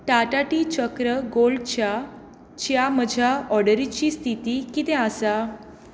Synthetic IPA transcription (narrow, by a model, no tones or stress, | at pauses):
ʈaʈaʈit͡ɕəkɾəɡolɖt͡ɕja | t͡ɕjam̤əd͡ʑʱjaɔɽəɾit͡ɕiːst̪ʰit̪iːkit̪ɛ̃asa